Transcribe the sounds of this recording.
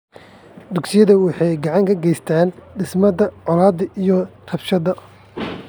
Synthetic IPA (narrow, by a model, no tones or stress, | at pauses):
d̪ʊɡsɪjɐðɐwɑħɑjɡɑʕɑŋkʰɐɡɛjst̪ʰaːnɖɪsmɐdɐʕɔlaːd̪ɐʔijɔt̪ʰɐbʃɐðɐ